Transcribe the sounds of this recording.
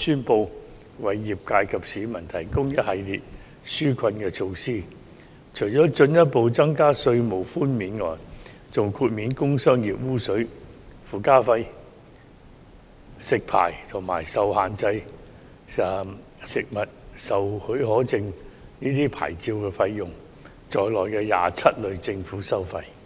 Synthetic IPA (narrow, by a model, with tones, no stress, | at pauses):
syː˥npo˧w | wɐ˨jːiː˨˩p̚kaː˧jkʰɐ˨p̚siː˨˥mɐ˨˩nt̪ʰɐ˨˩jkʊ˥ŋjɐ˥t̚hɐ˨jliː˨t̚ | syː˥kʷʰɐ˧nkɛː˧t͡sʰo˧wsiː˥˩ | t͡ʃʰɵ˨˩jt͡sɔː˨˥t͡ʃɵ˧njɐ˥t̚po˨˧wt͡sɐ˥ŋkaː˥sɵ˧ɥmo˨˩wfuː˥nmiː˨˥nŋɔ̰ː˨˩j | t͡sʊ˨ŋkʰuː˧t̚miː˨˥nkʊ˥ŋsœː˥ŋjiː˨p̚wuː˥sɵ˨˥ɥfuː˨˩kaː˥fɐ˧j | sɪ˨k̚pʰa̰ː˨˩jt̪ʰʊ˨˩ŋmaː˨˩jsɐ˨whaː˨nt͡sɐ˧j | sɪ˨k̚mɐ˨t̚sɐ˨whɵ˨˥ɦɔː˨˥t͡sɪ˧ŋniː˥t̪iː˥pʰa̰ː˨˩jt͡siː˧wkɛː˧fɐ˧jːʊ˨ŋ | t͡sɔː˨jlɔː˨˩jkɛː˧ja̰ː˨t͡sʰɐ˥t̚lɵ˨˧ɥt͡sɪ˧ŋfuː˨˥sɐ˥wfɐ˧j